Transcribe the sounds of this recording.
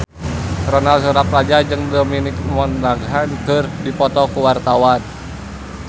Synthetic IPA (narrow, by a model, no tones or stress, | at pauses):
rɔnalsuɾap̚rad͡ʒad͡ʒɨŋdɔminikmɔnaɡɦankɨrdipɔt̪ɔkuwart̪awan